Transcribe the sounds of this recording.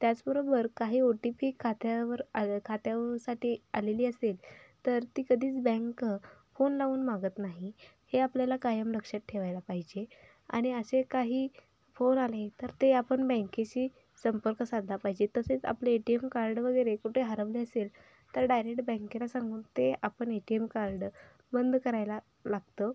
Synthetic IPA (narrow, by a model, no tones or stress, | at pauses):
t̪jat͡sbəɾobəɾkaɦiːoʈipikʰːat̪jaʋəɾakʰat̪jaʋəɾsaʈiːaleliːəselt̪əɾt̪iːkəd̪ʱiːt͡sbɛ̃ŋkfonlaʋuːnmaɡət̪naɦiheapljalakajəmɾəkʂat̪̚ʈʰeʋajlapaɦid͡ʑe | a̰ɽ̃iəsekaɦiː | fonalet̪əɾt̪eapəɳbɛ̃ŋket͡ɕiː | səmpəɾkəsad̪ʱapaɦid͡ʑet̪əset͡sa̰pleːʈiemkaɾɖʋəɡəjɾekuʈʰeɦaɾəʋliəsel | t̪əɾɖajɾek̚ʈbɛ̃ŋkelasãŋɡuːnt̪eapəɳeʈiemkaɾɖ | bənd̪kəɾajla | laɡt̪ə